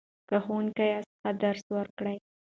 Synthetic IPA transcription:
kəxunkajɑsə̥xad̪aɾswəɾkɽaj

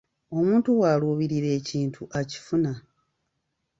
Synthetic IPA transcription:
o̞muːntuwaːluβiɾiɾe̞ːciːntʰuʔaci̥funa

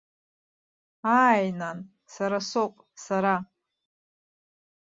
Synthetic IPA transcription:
aːjnan | saɾasopʼ | saɾa

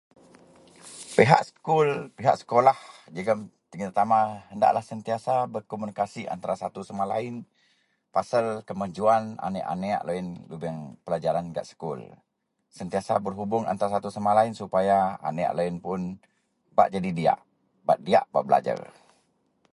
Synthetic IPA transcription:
peɦa̰ʔsə̥kulpiɦa̰ʔsə̥kolahd͡ʒəɡamt̪iŋət̪ət̪amaənda̰ʔlahsənt̪iasabərkomunikasiʔa̰nt̪aɾasat̪usamalaɪn | pasalkəmaɲd͡ʒuana̰nɛʔa̰nea̰ʔloinlubɛŋpəlad͡ʒaɾanɡa̰ʔsə̥kʊ̰l | sənt̪iasabərɦubʊŋa̰nt̪aɾasat̪usamalaɪnsupajaa̰nea̰ʔloinpʊn | ba̰ʔd͡ʒadidia̰ʔ | ba̰ʔ̪̚dia̰ʔba̰ʔbəla̰d͡ʒa̰r

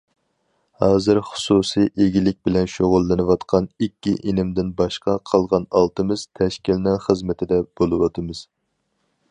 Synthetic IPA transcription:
hɑːzɨɾχʊ̥susijʔeɡʲilɪk̚ʲbɪlɛnʃoʁʊlˠːɨnɨwɑt̪qʰɑnikʲːiʔenɪmd̪ɪnbɑʃqɑqʰɑlˠʁɑnɑlˠt̪ʰɨmɨz̥t̪ʰɛʃkʲilɪnɪŋχəzmɪt̪ʰɪd̪ɛb̥olˠɨwɑt̪ʰɨmɨz̥

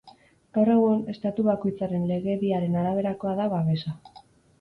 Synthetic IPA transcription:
ɡ̥awre̞ɣ̞une̞st̪at̪uβako̞jt͡saɾe̞nle̞ɣe̞βiaɾe̞naɾaβ̞e̞ɾako̞aðaβaβe̞sa

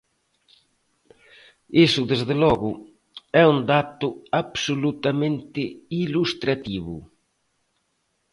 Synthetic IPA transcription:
esʊðezðɪlɔɣʊ | ɛund̪at̪ʊaβsolut̪amẽnt̪ɪilust̪ɾat̪iβʊ̰

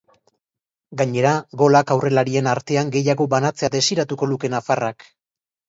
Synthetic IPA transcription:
ɡaɲe̞ɾaɡo̞lakawre̞laɾie̞naɾt̪e̞aŋɡe̞jaɣo̞βanat͡se̞ad̪e̞siɾat̪uko̞luke̞nafarak

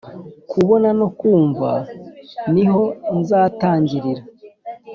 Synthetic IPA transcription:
kʰuβo̞nano̞kuːɱva̰ | niɦo̞nzaːtaːɲɟiɾiɾa

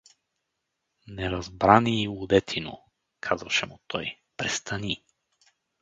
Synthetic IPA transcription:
nɛɾɐzbɾaniːud̪ɛt̪ʰino̰ | kʰazəʃɛmut̪ʰɔj | pɾɛst̪ʰɐni

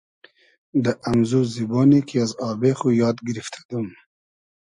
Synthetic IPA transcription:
d̪əʔamzuzibɔːnikʰiazɑːbexujɑːd̪ɡiɾift̪ʰḁd̪um

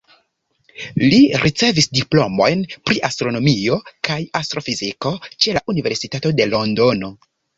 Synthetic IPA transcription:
liɾʔit͡se̞visdiplo̞mo̞jnpɾiʔastɾo̞no̞mio̞kajastɾo̞fiziko̞t͡ʃe̞laʔunive̞ɾsitato̞de̞lo̞ndo̞no̞

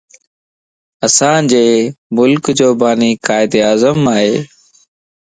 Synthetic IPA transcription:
əsãːd͡ʑeːmʊlkd͡ʒoːbaːniːkaːɪd̪eːaːzəmaːɦeː

